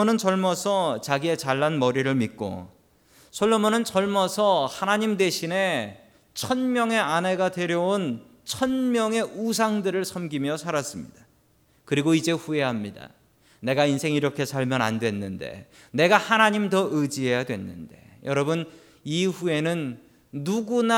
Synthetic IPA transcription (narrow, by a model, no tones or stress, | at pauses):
onɯnt͡ɕʌɭmʌsʰʌt͡ɕaɡie̞t͡ɕaɭːanmʌɾiɾɯɭmit̚k͈o̰ | sʰoɭːomonɯnt͡ɕʌɭmʌsʰʌhanaɲimde̞ɕʰine̞ | t͡ɕʰʌnmjʌŋe̞aneɡadwe̞ɾjʌon | t͡ɕʰʌnmjʌŋe̞ʔusʰaŋdɯɾɯɭsʰʌmɡimjʌsʰaɾas͈ɯmɲḭd̥ḁ | kɯɾiɡoid͡ʑe̞ɸue̞ɦamɲida̰ | ne̞ɡainsʰe̞ŋiɾʌkʰe̞sʰaɭmjʌna̰ndwe̞nːɯnde̞̰ | ne̞ɡahanaɲimtʌʔɯd͡ʑiɦe̞jadwe̞nːɯ̰nde̞̰jʌɾʌbɯn | iɸue̞nɯnː | uɡuna